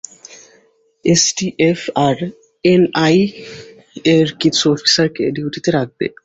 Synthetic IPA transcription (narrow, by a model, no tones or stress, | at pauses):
esʈiʔefaɾ | enaj | eɾkitsʰuɔfi̥saɾkeeɖiuʈit̪eɾak̚bḛ